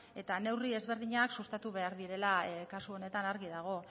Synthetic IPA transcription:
e̞t̪ane̞wrie̞zβe̞ɾðiɲaksust̪at̪uβ̞e̞aɾðiɾe̞lakasuo̞ne̞t̪anaɾɣiðaɣ̞o̞

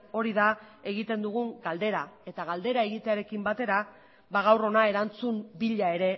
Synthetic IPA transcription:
o̞ɾiðae̞ɣit̪e̞nd̪uɣ̞uŋɡald̪e̞ɾae̞t̪aɣald̪e̞ɾae̞ɣit̪e̞aɾe̞kimbat̪e̞ɾa | baɣ̞awro̞nae̞ɾant͡sumbiʎae̞ɾe̞

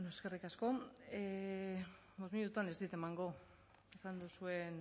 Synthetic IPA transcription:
noeske̞rikasko̞e | bo̞zmiut̪uanezd̪it̪e̞maŋɡo̞ | esand̪usue̞n

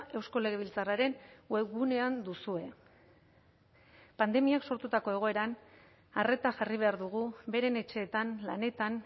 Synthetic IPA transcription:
e̞wsko̞le̞ɣ̞e̞β̞ilt͡saraɾe̞nweɡune̞and̪usue̞ | pand̪e̞miakso̞ɾt̪ut̪ako̞e̞ɣ̞o̞e̞ɾan | are̞t̪aʝariβ̞e̞aɾðuɣ̞ube̞ɾe̞ne̞t͡ʃe̞ːt̪anlane̞t̪an

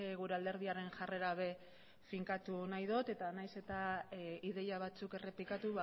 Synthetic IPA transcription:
ɣuɾe̞ald̪e̞ɾðiaɾe̞nʝare̞ɾaβe̞ | fiŋkat̪unajðo̞t̪e̞t̪anajse̞t̪aiðe̞jaβat͡suke̞re̞plikat̪uβa

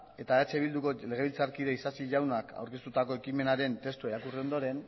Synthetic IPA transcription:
e̞t̪aet͡seβild̪uko̞le̞ɣ̞e̞βilt͡saɾkiɾeisasiʝawnaka̰wɾke̞st̪ut̪ako̞e̞kime̞naɾe̞nt̪e̞st̪ueɾakurio̞nd̪o̞ɾe̞n

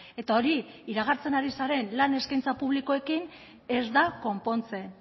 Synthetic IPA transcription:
e̞t̪ao̞ɾiiɾaɣ̞aɾt͡se̞naɾisaɾe̞nlane̞skajnt͡sapuβ̞liko̞e̞kin | e̞zd̪ako̞mpo̞nt͡se̞

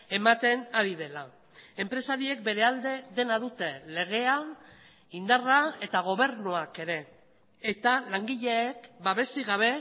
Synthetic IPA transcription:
e̞mat̪e̞naɾið̞e̞la | e̞mpɾe̞saɾie̞k̚be̞ɾe̞ald̪e̞ðe̞naðut̪e̞le̞ɣ̞e̞a | ind̪arae̞t̪aɣ̞o̞β̞e̞ɾnoake̞ɾe̞ː | t̪alaŋɡiʎe̞ːkbaβe̞siɣaβ̞e̞

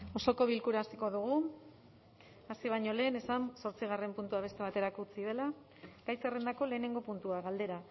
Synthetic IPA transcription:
o̞so̞ko̞β̞ilkuɾaːsiko̞ðuɣ̞u | asiβ̞aɲo̞le̞ːne̞sanso̞ɾt͡siɣ̞are̞mpunt̪uaβ̞e̞st̪e̞β̞at̪e̞ɾakut͡siðe̞la | ɡ̥ajsere̞nd̪ako̞le̞ːne̞ŋɡo̞punt̪uaɣald̪e̞ɾa

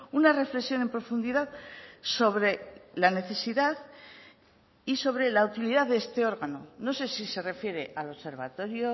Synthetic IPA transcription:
unare̞fle̞ksjo̞ne̞mpɾo̞fund̪iðaðso̞βɾe̞lane̞θe̞siðað | iso̞βɾe̞laut̪iliðaððeest̪e̞o̞ɾɣano̞no̞se̞sise̞re̞fje̞ɾe̞ʔalo̞βse̞ɾβat̪o̞ɾjo

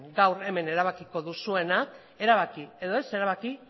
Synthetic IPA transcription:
ɡawɾe̞me̞ne̞ɾaβ̞akiko̞ðusue̞nak | e̞ɾaβ̞akieðo̞e̞se̞ɾaβaki

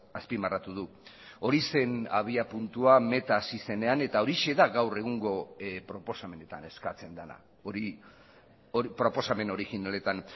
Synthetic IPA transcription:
aspimarat̪uð̞u | o̞ɾise̞naβ̞iapunt̪uame̞t̪aːsise̞ne̞ane̞t̪ao̞ɾiʃe̞ðaɡawre̞ɣ̞uŋɡo̞pɾo̞po̞same̞ne̞t̪ane̞skat͡se̞nd̪ana̰ | oɾi | oipɾo̞po̞same̞no̞ɾixinale̞t̪an

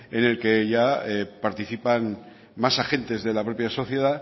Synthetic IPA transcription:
e̞ne̞lke̞ʝaepaɾt̪iθipan | masaxe̞nt̪e̞zðe̞lapɾo̞pjaso̞θje̞ð̞a

